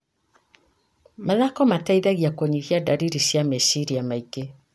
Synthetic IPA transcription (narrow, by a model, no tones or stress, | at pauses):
maðakɔmataiðaɣiakwoɲiɣiadaɾiɾiʃiamɛʃiɾiamaike